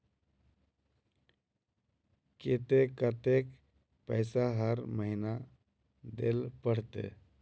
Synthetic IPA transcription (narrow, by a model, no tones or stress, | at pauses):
ket̪ekət̪ek | pəɪsaɦəɾməɦina | d̪ḛlpəɽ̤t̪ḛ